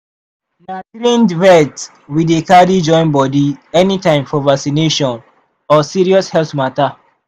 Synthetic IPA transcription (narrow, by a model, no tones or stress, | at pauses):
natɾĩndɹɛt | widekadid͡ʒɔ̃ɪ̃nbɔdiɛnitãɪ̃mfɔvaksineʃɔ̃n | ɔsiɹiɔshɛlθmata